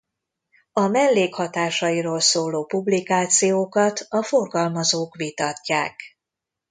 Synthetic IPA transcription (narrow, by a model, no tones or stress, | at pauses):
ɒmɛlːeːkhɒt̪aːʃɒiɾoːlsoːloːpublikaːt̪sijoːkɒt̪ɒfo̞rɡɒlmɒzoːkʋit̪ɒcːaːk